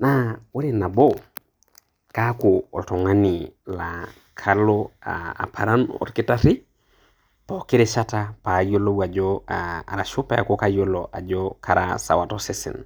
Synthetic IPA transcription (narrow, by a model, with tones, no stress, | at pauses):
na˦wo˦ɾi˦na˨bo˦ | ka˦koo̰˨to˨ŋa˦ni˨la | kʰa˦loa̰a̰˨pʰa˨ɾa˦no̰˦ɾki˦ta˦ɾi˦ | poki˦ɾe˦t͡ʃa˦ta˦pa˨jo˦lo˦wa˨d͡ʒoa̰˨ɾa˨ʃo˦pe˦a̰˨ko˦ka˦jo˦loʔa̰˨d͡ʒokʰaɾa̰sa̰˨wa˨tosi˦sḭ˨n